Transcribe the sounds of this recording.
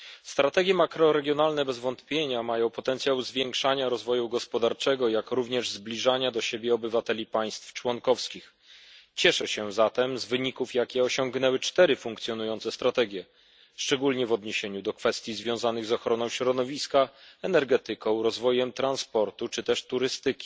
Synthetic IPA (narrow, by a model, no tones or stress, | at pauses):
st̪ɾat̪ɛɡʲjɛmakɾɔɾɛɡʲjɔnalnɛbɛzvɔnt̪pʲjeɲamajɔ̃w̃pɔt̪ɛnt̪sʲjawzvʲjeŋkʂaɲaɾɔzvɔjuɡɔspɔd̪aɾt͡ʂɛɡɔjakɾuvɲɛʐzblʲiʐaɲad̪ɔɕebʲjɛɔbɘvat̪ɛlʲipaj̃st̪ft͡ʂwɔŋkɔfskʲix | t͡ɕɛʂɛɕɛzat̪ɛmzvɘɲikufjakʲɛɔɕɔŋɡnɛwɘt͡ʂt̪ɛɾɘfuŋk̚t̪sʲjɔnujɔnt̪sɛst̪ɾat̪ɛɡʲjɛ | ʂt͡ʂɛɡulɲɛvɔd̪ɲeɕeɲud̪ɔkfɛst̪ʲjizvʲjɔ̃w̃zanɘɣzɔxɾɔnɔ̃w̃ɕɾɔd̪ɔvʲiskaɛnɛɾɡɛt̪ɘkɔ̃w̃ɾɔzvɔjɛmt̪ɾanspɔɾt̪ut͡ʂɘt̪ɛʂt̪uɾɘst̪ɘkʲi̥